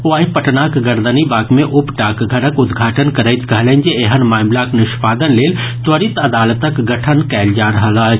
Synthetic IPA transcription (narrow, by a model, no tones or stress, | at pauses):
uaːɦipɐʈnakɡɐɾd̪ənibaːkmẽʔʊpʈaːkɡʱəɾəkʊd̪ɡʱaːʈənkəɾəjt̪kɐɦlənd͡ʒeeɦənmaːmlaknɪʃpaːd̪ənleːl | t̪ʋəɾit̪ɐd̪aːlət̪əkɡɐʈʰənkɛːld͡ʒaːɾəɦəlaːt͡ʃʰ